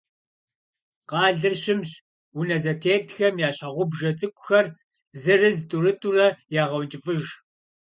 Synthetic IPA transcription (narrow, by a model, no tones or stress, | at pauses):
qɑːɮɨrɕɪmɕ | wunɐzɐtʰeːtʰxɐmjaːɕɐʁʷʊbʒɐt͡sʼɨkʷʼʊxɐr | zɨrɨztʼuɾɨtʼurɐjaːʁɐwnt͡ʃʼɪfʼɨʒ